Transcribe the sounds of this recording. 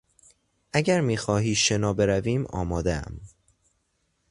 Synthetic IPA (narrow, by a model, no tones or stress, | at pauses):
ʔæɟæɾmiːxɒːɦiːʃe̞nɒːbe̞ɾæviːmɒ̰ːmɒːd̪eæ̰m